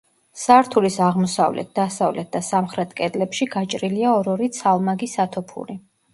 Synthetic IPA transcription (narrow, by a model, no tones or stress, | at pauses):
saɾt̪ʰulisaʁmɔsa̰vlɛ̰t̪̚ʰd̪̥asavlɛt̪̚ʰd̪asamχɾɛt̪ʰkʼɛd̪lɛpʃiɡat͡ʃʼɾiliaɔɾɔɾit̪sʰalˠmaɡisat̪ʰɔpʰṵɾi